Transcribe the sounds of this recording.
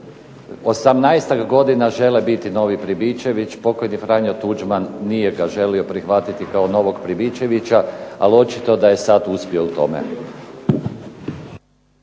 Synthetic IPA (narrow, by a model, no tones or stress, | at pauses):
o̞samnajst̪aɡɡo̞d̪inaʒe̞lebit̪ino̞ʋipɾibie̞ʋit͡ʃpo̞ko̞jnifɾaɲot̪ud͡ʒmanːije̞ɡaʒe̞lio̞pɾixʋat̪it̪ikaono̞ʋo̞ɡpɾibit͡ʃeʋit͡ɕaa̰lo̞t͡ʃi̥t̪o̞d̪aje̞sat̪uspio̞ut̪o̞mḛ